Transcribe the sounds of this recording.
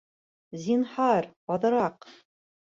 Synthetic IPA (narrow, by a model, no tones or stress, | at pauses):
zʲinhɑɾɑðɤ̆ɾɑq